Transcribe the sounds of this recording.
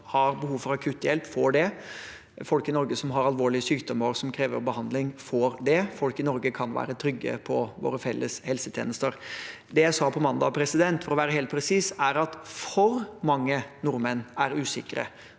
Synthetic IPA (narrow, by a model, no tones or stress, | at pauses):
hɑɾbəhuːʋfɔɾɑkʰʉːt̪ːjɛlpfoːɖɛ | fɔlkɪnɔɾɡəsɔmɦɑɾɑlʋoːɭɪəsyːkd̪ɔməɾsɔmkʰɾeːʋə̰ɾbəhɑnd̪lɪŋfoːɾd̪ɛfɔlkɪnɔɾɡəkʰɑnʋæ̰ːɾət̪ʰɾʏɡːə̰pʰɔʋo̰ːɾəfɛlːəshɛlsət̪ʰjḛːnəst̪əɾ | d̪ɛjæɪsɑːpʰɔmɑnd̪ɑpʰɾɛsɪd̪ɛnt̪fɔɾɔʋæːɾəheːlt̪pʰɾɛsiːsæɾɑt̪fɔɾmɑŋːənʊɾmənæɾʉːsɪkəɾə̰